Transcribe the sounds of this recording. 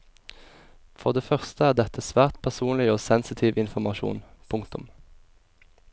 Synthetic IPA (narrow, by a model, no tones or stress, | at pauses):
fɔʁd̪eːfœʁst̪əæːʁd̪ɛt̪ʰəsʋæːʁt̪pʰæʁsuːnlɪoːsɛnsɪt̪ʰiːʋʔɪnfɔmɑʃṵːnpʰʊŋkt̪ʊm